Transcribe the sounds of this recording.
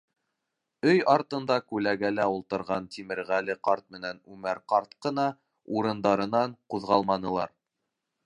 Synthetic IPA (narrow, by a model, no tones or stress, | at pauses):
ɵjɑɾt̪ɤ̆nd̪ɑkʉlæɡælæulˠt̪ɤ̆ɾʁɑnt̪imɘ̆ɾʁælɘqɑɾt̪̚mɘ̆nænʉmæɾqɑɾt̪̚qɤ̆nɑ | uɾɤ̆nd̪ɑɾɤ̆nɑɴquðʁɑlˠmɑnɤ̆lˠɑ̰ɾ